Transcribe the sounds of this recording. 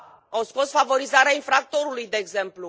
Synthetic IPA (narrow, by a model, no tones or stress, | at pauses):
awsko̞sfavo̞ɾizaɾeainfɾak̚t̪o̞ɾulujd̪e̞ːɡze̞mplu